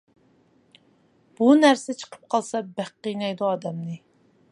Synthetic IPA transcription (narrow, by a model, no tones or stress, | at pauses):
b̥unæɾsɪt͡ʃʰə̥qʰə̥p̚qʰɑlˠsɑbæqːijnɛjd̪uɑːd̪ɛmnɨ